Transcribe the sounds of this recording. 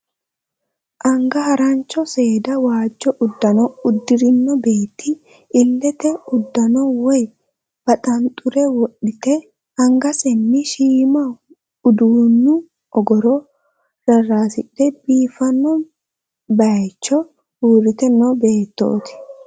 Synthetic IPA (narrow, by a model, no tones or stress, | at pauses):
ʔɐŋɡɐhɐɾɐnt͡ʃːɔse̞ːd̪ɐwaːd͡ʒːɔʔʊd̪ːɐnɔʊd̪ːɪɾɪnːɔbe̞ːt̪ːɪ | ɪlːɛt̪ɛʊd̪ːɐnɔwɔj | b̥ɐt̪ʼɐnt̪ʼʊɾɛwɔᶑɪt̪ɛ | ɐŋɡɐsɛnːɪʃiːmɐ | ʊd̪uːnːʊ | ɔɡɔɾɔ | ɾɐraːsɪᶑɛbiːfɐnːɔ | bɐjt͡ʃːɔ | uːɾɪt̪ɛnɔbe̞ːt̪ːo̰ːt̪ɪ̥